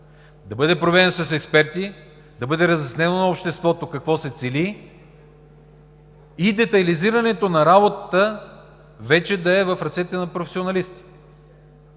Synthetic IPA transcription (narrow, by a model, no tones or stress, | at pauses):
d̪ɐbɤd̪ɛpɾovɛd̪ɛnsɐsɛkspɛɾt̪i | d̪ɐbɤd̪ɛɾɐzɛsnɛnonɐopʃt̪ɛst̪vɔt̪okɐkvɔsɛt̪sɛli | id̪ɛt̪ɐliziɾɐnɛt̪onɐɾabot̪ət̪ə | vɛt͡ʃɛd̪ɐɛvɐfɾɐt̪sɛt̪ɛnɐpɾofɛ̥sionɐlist̪